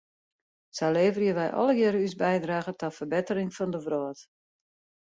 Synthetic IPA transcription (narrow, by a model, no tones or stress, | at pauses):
saleːvərjəʋɛjʔɔ̰ləɡɪɾysbɛjdraːɣətɔfərbɪtəɾɪŋfɔndəʋrɔət